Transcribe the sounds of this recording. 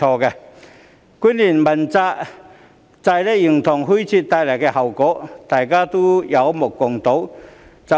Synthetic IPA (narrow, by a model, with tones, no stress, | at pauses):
ɔː˧kɛ˧ | kuː˥nliː˨˩nmɐ˨˩nt͡saː˧ | t͡sa˧jlɛ˥jy˨˩ŋt̪ʰʊ˨˩ŋɦu˥jt͡sʰiː˧tt̪ːaː˧jlɐ˨˩kɛː˧hɦɐ˨˩wkɔː˨˥t̪aː˨jkaː˥t̪o˥jɐ˨˧wmʊ˨˩kːʊ˨˩ŋt̪o˨˥wt͡sɐ˨